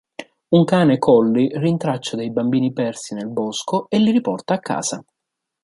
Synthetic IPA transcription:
uŋkaːnekʰɔlːirint̪ɾat͡ʃːad̪ejbambiːnipɛrsinelbɔskoelːiɾipɔrt̪aːkːa̰ːsa̰

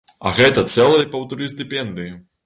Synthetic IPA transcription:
ɐ̰ɣɛt̪ɐt̪sɛlˠɐjɐpɐwt̪ɐɾɨsʲt̪ɨpʲɛnd̪ɨji

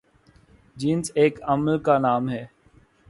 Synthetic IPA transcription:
d͡ʒiːnzeːkəməlkanaːmɦɛː

